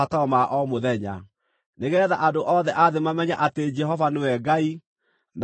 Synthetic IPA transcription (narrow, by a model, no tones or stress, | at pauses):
ataɔmaʔɔmoðɛɲa̰ | neɣɛːðaʔadoʔɔðɛʔaðemamɛɲaʔated͡ʒɛɦɔvanewɛɡai | n